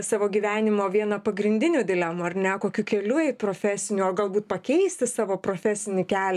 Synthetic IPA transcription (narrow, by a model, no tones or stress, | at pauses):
sɑːʋoːɡʲiːʋʲæːnʲɪmoːʋʲiɛnɐpɐɡɾʲɪnʲd̪ʲɪnʲuːd̪ʲɪlʲɛmʊɐrnʲɛkoːkʲuːkʲɛlʲʊɛɪt̪̚pɾoːfʲæsʲɪnʲuɐɡɐlˠbuːt̪pɐkʲɛɪsʲt̪ʲɪsɑːʋoːpɾoːfʲɛsʲɪnʲɪkʲæːlʲ